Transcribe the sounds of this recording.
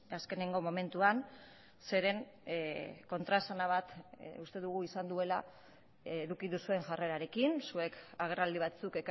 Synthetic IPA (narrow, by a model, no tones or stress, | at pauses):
aske̞ne̞ŋɡo̞mo̞me̞nt̪uan | se̞ɾe̞ŋ | ko̞nt̪ɾasanaβ̞at̪ust̪e̞ðuɣ̞uisand̪ue̞laː | ɾukiðusue̞ŋʝare̞ɾaɾe̞kinsue̞kaɣ̞e̞rald̪iβ̞at͡suke̞k